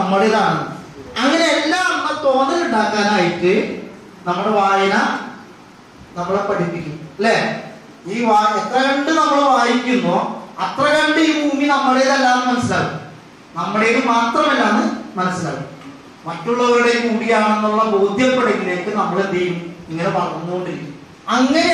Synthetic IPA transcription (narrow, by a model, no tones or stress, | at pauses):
nɐmːɐɽeðaːɳɐ | ɐŋːɐne̞elːaːnɐmːɐt̪o̞ːnd̪ːɨɣuɳɖaːkːaːnaːjiʈːɨ | nɐmːuɽeʋaːjɐna | nɐmːuɭepɐʈipːikʲːumɐlːe̞ː | iːʋaːet̪rɐɣɐɳɖɨnɐmːɐɭeʋaːjikʲːumːoːɐt̪rɐɣɐɳɖejumuːŋːinɐmːɐɭejðɐlːaːɳɨmɐnɐsːilaːʋɨ | nɐmːuɽejɾɨmaːt̪rɐmelːaːɳɨmɐnɐsila̰ːɣɨ | mɐtːuɭːɐɾuɽejumuːmɽiɣaːɳɐnːuuɭːɐboːd̪ʱjɐpːɐɽɐkːileːkːɨnɐmːuɽed̪ejʋumniŋːɐne̞ʋɐɭɐunːuɣo̞ɳɖiɾikʲːumu | ɐŋːɐne